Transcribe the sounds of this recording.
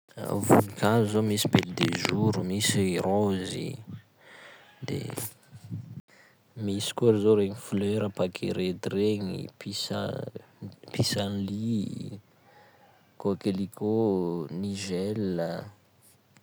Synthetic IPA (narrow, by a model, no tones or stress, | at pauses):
a̰vṵnikazzomisibeld̪eʒuɾumisiɾozḭ | d̪ḛ | misi̥kuaɾizoɾeŋifløɾapakʰḛɾet̪ireɲḭpʰisa̰ | pisanli | kokelikʰoniʒɛlə